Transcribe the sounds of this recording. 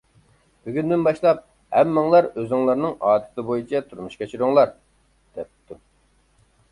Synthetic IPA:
b̥yɡʲynd̪ɪnbɑʃlˠɑp̚ | hɛmːɑŋlˠɑɾøzɪŋlˠɑɾnɨŋɑːt̪ʰɨ̥t̪ʰɨbojit͡ʃʰɛt̪ʰuɾmuʃkʲet͡ʃʰyɾʊŋlˠɑɾ | d̪̥ɛp̚t̪ːu

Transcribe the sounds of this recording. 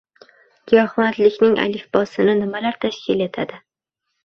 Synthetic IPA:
ɡʲijɒhmat̪lɪkʲnɪŋʔa̰lɪfbɒsɪnɪnɪmalaɾt̪ʰaʃkʲʰɪle̞t̪ʰad̪ɪ

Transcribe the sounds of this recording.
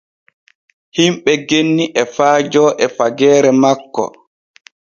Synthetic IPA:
himɓɛɡenːiʔɛfaːd͡ʒɔːʔɛfaɡɛːɾɛmakːɔ̰

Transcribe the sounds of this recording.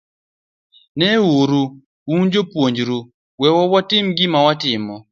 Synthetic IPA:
nɛwuɾu | uɲd͡ʒopwoɲd͡ʒɾu | wɛwɔwatɪmɡɪmawatɪmɔ

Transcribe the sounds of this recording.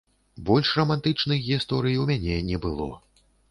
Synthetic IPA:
bɔlʲʂrɐmant̪ɨt͡ʂnɨxɣʲist̪ɔɾɨjiwmʲanʲɛnʲɛbɨlˠɔ̰

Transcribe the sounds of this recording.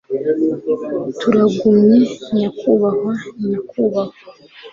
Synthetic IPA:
tuɾaɡumɲeɲakuβahwaɲakʰuːβaha

